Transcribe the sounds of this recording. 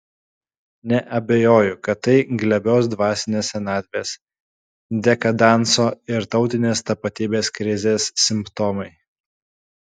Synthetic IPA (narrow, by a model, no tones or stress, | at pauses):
nʲɛʔɐbʲejoːjʊkɐt̪ːɐɪɡlʲɛbʲɛːsd̪ʋɑːsʲɪnʲeːsʲɛnɑːd̪ʲʋʲeːs | d̪ʲɛkɐd̪ɑˑnˑsoːɪɾt̪ɒʊt̪ʲɪnʲeːst̪ɐpɐt̪ʲiːbʲeːskɾʲɪzʲeːsːʲɪmpt̪ɔːmɐɪ